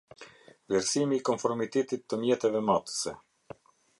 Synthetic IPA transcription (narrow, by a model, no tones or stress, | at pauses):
vɛɾsimiːkɔnfɔɾmit̪ɛt̪it̪ːəmjɛt̪ɛvɛmat̪sɛ